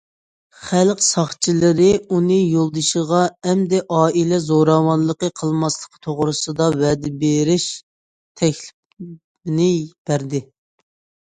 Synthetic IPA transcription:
χælqsɑχt͡ʃʰilˠɨɾɪunɨjolˠd̪ɨʃəʁɑɛmd̪ɛʔɑːilɛzoɾɑwɑnlˠəqəqʰəlˠmɑslˠəqt̪ʰoʁɾɨsɨd̪ɑwɛːd̪ɛbeɾɪʃ | t̪ʰɛkʲlɪp̚ | nɪb̥æɾd̪ɪ

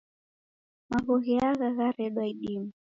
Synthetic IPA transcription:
maɣɔɣiaɣaɣaɾɛɗwaiɗimu

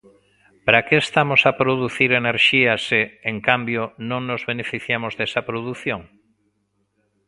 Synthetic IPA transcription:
pɾakeːst̪amosapɾoðuθiɾeneɾʃiaseeŋkambjonõŋnozβenefiθjamozðesɐpɾoðuθjoŋ

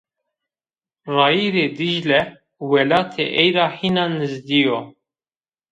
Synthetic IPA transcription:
rɑːiːɾeːd̪iʒlɛ | wɛlɑːt̪ʰḛʔɛjɾɑːhinɑːnɨzd̪ijo

